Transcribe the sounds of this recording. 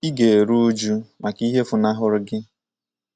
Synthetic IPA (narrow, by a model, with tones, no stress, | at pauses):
i˦ɡe˨e˨ɾu˦d͡ʒu˦ma˨ki˦ɦe˦fʊ˨na˦ɦʊ˦ɾʊ˦ɡɪ˦